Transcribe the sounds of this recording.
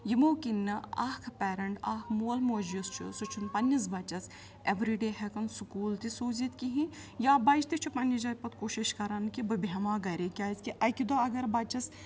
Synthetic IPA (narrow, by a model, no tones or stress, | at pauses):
jimoːkinːɐɐkʰpɛːɾɐɳʈaːkʰmuɐlmoːd͡ʒjust͡ʃʰṵsut͡ʃʰunpɐnʲːɐs̬bɐt͡ʃɐs | eʋɾiɖeːɦɛkɐnsukuːlt̪isoːzit̪kiɦĩjaːbɐd͡ʒt̪it͡ʃʰupɐnɐd͡ʒɐjpɐt̪̚koːʃiʃkɐɾɐnkibɐbɐmaːɡɐɾʲekʲaːskiʔɐkʲid̪oɐɡɐɾbɐt͡ʃɐs